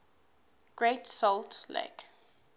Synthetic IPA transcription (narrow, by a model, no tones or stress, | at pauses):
ɡ̥ɹetsɔltlḛk